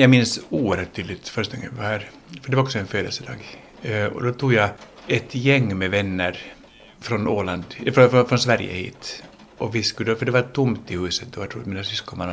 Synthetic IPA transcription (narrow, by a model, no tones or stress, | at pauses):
jɑːɡmɪnsuːəɾhœːʈ̚t̪ʰːyːd̪lɪt̪fœɾʂt̪aɔŋːəpahæːɾ | fœɖɛvaɾɔksɔɛnføːd̪ə̰lsəd̪ɑ̰ːɡ | ɔ̰d̪ɔt̪ʰuːɡja | ɛt̪jɛŋːmɛvɛnːəɾ | fɾɔnoːland̪fɾɔfɔfɾɔnsvæɾjə̰hḭːt̪ | ʔɔvɪskʉd̪əfəɖɛvaʈʰʊmt̪ɪhʉ̟ːsət̪̚d̪ɔat̪ʰɾuːat̪miːnasʏskɔman